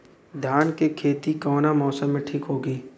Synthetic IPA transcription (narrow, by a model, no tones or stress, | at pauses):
d̪ʱjaːnkekʰeːt̪ikɔːnamɔːsəmːẽʈʰiːkɦoːɡiː